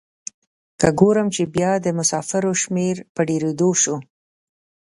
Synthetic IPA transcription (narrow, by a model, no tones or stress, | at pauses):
kəɡoɾəmt͡ʃebjɑd̪əmʊsɑfɪɾoʃmeɾpəɖeɾed̪oʃo